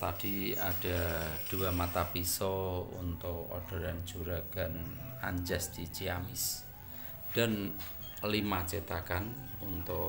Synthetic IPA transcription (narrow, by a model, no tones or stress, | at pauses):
t̪ad̥ia̰d̥a̤d̥uamat̪apisɔṵnt̪ɔʔo̰ɖ̥a̤ɾan̥d͡ʒuɾaɡ̥anaɲd͡ʒasd̪̥it͡ʃiamɪs | d̥a̤n | limat͡ʃit̪akanunt̪ɔ